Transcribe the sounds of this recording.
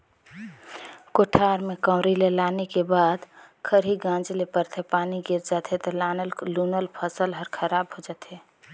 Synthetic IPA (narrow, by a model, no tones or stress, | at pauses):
koʈʰaɾmekəmɾilelanekebad̪kʰəɾiɡãd͡ʒlepəɾt̪ʰepaniɡiɾd͡ʒat̪ɦɛt̪ɔlanəllunəlpʰəsəlɦəɾkʰəɾabɦod͡ʒat̪ɦe